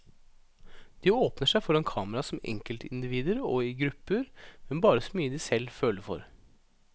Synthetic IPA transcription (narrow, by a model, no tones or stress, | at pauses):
d̪̥ioːpnəʂæɪfɔɾɛnkʰɑːməɾɑsɔmɛ̰ŋkəlt̪ʰɪ̰nd̪ɪʋiːd̪əɾɔ̰ɪɡɾʉpːəɾmɛnbɑːɾəsɔmyːəd̪isɛlføːləɾfɔ̰ɾ